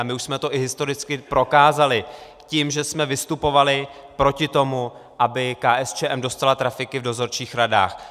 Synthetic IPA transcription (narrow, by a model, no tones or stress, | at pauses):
mɪuʃsmɛt̪o̞ʔɪɦɪst̪o̞ɾɪt͡skɪpɾo̞kaːzalɪ | cimʒɛsmɛvɪst̪upo̞valɪ | pɾo̞cɪt̪o̞mu | ʔabɪkaːʔɛst͡ʃɛːʔɛmdo̞st̪alat̪ɾafɪkɪvdo̞zo̞ɾt͡ʃiːxɾada̰ːx